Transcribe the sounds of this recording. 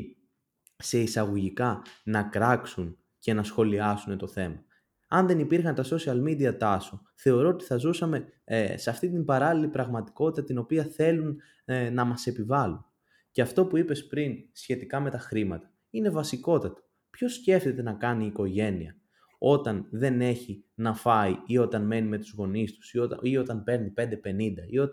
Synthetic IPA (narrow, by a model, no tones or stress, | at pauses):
se̞isɐɣo̞ʝikɐnɐkɾɐksun | ce̞nɐsxo̞liɐsunet̪o̞θe̞mɐ | ɐnðe̞nipiɾxɐnt̪ɐso̞siɐlmid̪iɐt̪ɐso | θe̞o̞ɾo̞ot̪i̥θɐzusɐme̞seɐft̪int̪̬imbɐɾɐlilipɾɐɣmɐt̪i̥ko̞t̪it̪ɐt̪ino̞piɐθe̞lunː | ɐmɐse̞pivɐlun | ceɐft̪o̞puipe̞spɾinsçe̞t̪ikɐme̞t̪ɐxɾimɐt̪ɐ̥ | ine̞vɐsiko̞t̪ɐt̪ɐ̥ | pçosce̞ft̪et̪e̞nɐkɐniːko̞ʝe̞niɐ | o̞t̪ɐnðe̞ne̞çinɐfɐiio̞t̪ɐnme̞nimet̪uzɣo̞nist̪u̥soio̞t̪ɐnpe̞ɾnipe̞nd̪e̞pe̞nind̪ɐio̞t̪